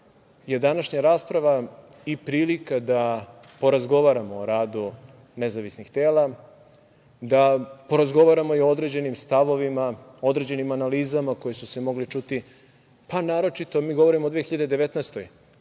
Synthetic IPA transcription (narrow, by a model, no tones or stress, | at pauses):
je̞d̪anaʃɲaɾaːspɾaʋa | ipɾiːlikad̪a | po̞ɾazɡo̞ʋaɾamoːɾaːd̪u | nezaʋisnixt̪eːla | d̪apo̞ɾazɡo̞ʋaɾamo̞iood̪ɾe̞d͡ʑe̞nimst̪aʋo̞ʋimao̞d̪ɾe̞d͡ʑe̞nimanaliːzamako̞jesuse̞mo̞ɡlit͡ʃut̪i | panaːɾo̞t͡ʃit̪o̞miːɡo̞ʋo̞ɾimod̪ʋeexiʎad̪ed̪eʋet̪nɛst̪oj